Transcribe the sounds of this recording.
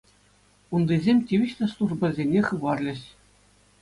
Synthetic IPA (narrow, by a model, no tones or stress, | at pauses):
und̪izʲemʲtʲiʋʲĭɕt̪ʲɤ̆slˠuʐbɤ̆zʲenʲeχɯʋɑrlʲɘ̆ɕ